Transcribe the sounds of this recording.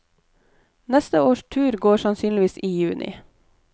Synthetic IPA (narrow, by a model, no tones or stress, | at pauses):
nɛst̪əoːʃtʰʉːɾɡoːʃɑnsyːnlɪʋiːsiːjʉːnʔɪ̰